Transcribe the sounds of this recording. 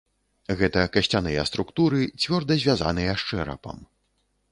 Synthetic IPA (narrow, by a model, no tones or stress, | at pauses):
ɣɛt̪ɐkɐɕʲt͡sʲanɨjɛst̪ɾukt̪uɾɨt͡sʲvʲɔrd̪ɐzʲvʲaza̰nɨjɐʂt͡ʂɛɾɐ̰pɐ̰m